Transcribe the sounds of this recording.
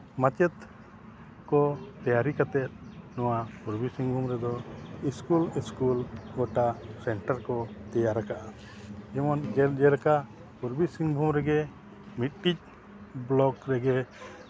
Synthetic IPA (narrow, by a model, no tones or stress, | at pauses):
mat͡ʃɛt̪ | kɔt̪ɛjaɾikat̪ɛt̪̚nɔwapuɾbisiŋbʱumɾɛd̪ɔiskuliskulɡɔʈasɛɳʈaɾkɔt̪ɛjaɾakaʔa | ɛmɔnd͡ʒd͡ʒɛɾka | puɾbisiŋbʱumɾɛɡɛ | mit̪̚ʈic̚ | blɔɡɾɛɡɛ